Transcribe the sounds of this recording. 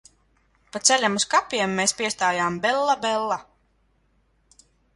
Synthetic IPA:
pat̪sɛlʲamuskapʲiɛmːeːspʲiɛst̪aːjaːmbɛlˠːabɛlˠːa

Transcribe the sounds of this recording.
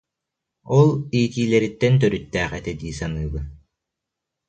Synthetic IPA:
ɔlˠiːt̪iːlɛɾit̪ːɛnt̪œɾyt̪ːæːχɛ̰t̪ɛd̪iːsanɯːbɯ

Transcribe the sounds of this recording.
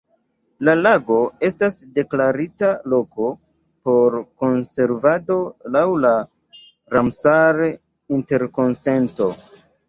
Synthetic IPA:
lalaɡo̞e̞stasde̞klaɾitalo̞ko̞ | po̞ɾko̞nse̞ɾvado̞lawla | ɾamsaɾ | inte̞ɾko̞nse̞nto̞

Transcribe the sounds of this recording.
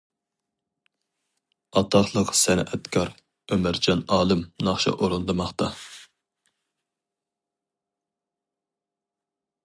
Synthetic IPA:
ɑt̪ʰɑχlˠəqsɛnɛt̪kʰɑɾ | ømɪɾd͡ʒɑnɑːlˠɨmnɑχʃɑ̰ʔoɾɨnd̪ɨmɑχt̪ɑ

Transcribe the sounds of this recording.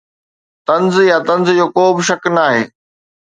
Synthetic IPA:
t̪ɐ̃nzjat̪ɐ̃nzd͡ʑoːkoːbɪʃɐknaːɦḛː

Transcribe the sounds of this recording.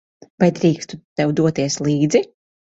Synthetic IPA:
vajd̪ɾiːkst̪ut̪ɛwd̪uɔt̪iɛslˠiːd̪zi

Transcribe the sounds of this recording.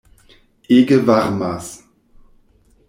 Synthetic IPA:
ʔeːɡəvaʁmas

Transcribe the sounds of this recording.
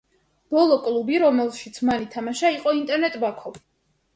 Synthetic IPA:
b̥ɔlˠɔkʼlˠubiɾɔmɛlˠʃit̪sʰmalit̪ʰamaʃaiqʼɔint̪ʼɛɾnɛt̪ʼbakʰɔvi

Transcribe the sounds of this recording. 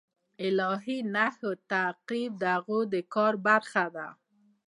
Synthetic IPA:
ɪlɑɦinahot̪aqibd̪əaɣod̪əkɑɾbaɾxad̪a̰

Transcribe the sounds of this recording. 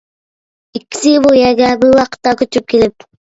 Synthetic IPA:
ikʲːi̥sɪbojɛɡʲɛbɪɾwɑqə̥t̪ːɑkʲʰøt͡ʃ̪yp̚kʰʲelɪp̚

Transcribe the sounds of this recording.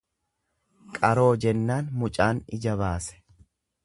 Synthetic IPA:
kʼɐɾo̞ːd͡ʒɛnːaːnmʊt͡ʃʼaːnɪd͡ʒɐβaːsɛ̥

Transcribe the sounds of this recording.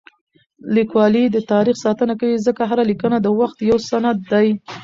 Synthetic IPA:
likwɑlid̪ət̪ɑɾixsɑt̪ənakawizəkaɦaɾalikənad̪əwaxt̪jawsanad̪ːaj

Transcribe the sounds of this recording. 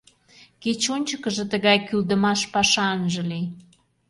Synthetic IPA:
ket͡ɕonʲt͡ɕəkəʒə̆t̪əɣɑjkyld̪əmɑʃpɑʃɑənʒə̆lij

